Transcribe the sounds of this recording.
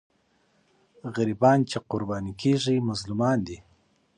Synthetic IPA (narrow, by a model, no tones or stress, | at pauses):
ɣaɾibɑːnt͡ʃeqʊɾbɑːnikʰeʐimʊzlumɑːnd̪i